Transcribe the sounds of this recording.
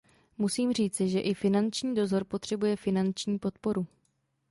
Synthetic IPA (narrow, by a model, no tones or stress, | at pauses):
musiːmr̝iːt͡sɪʒɛʔɪfɪnant͡ʃɲiːdo̞zo̞ɾpo̞t̪r̝̥ɛbujɛfɪnant͡ʃɲiːpo̞t̪po̞ɾu